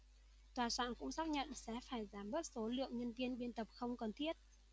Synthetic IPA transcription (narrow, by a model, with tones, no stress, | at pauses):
t̪waː˨˩sa̰ː˧˨nkʊ̰˧˥ŋ͡msaː˦˥k̚ɲə̰˧˨nsɛ̰˧˥faː˧˩jzaː˨˦mɓəː˦˥t̚so˨˦lɨ̰˧˨əŋɲə˧nvi˧ənɓi˧ənt̪ə˨˩p̚xə˧wŋ͡mkə˨˧˩nt̪ʰi˦˥ət̚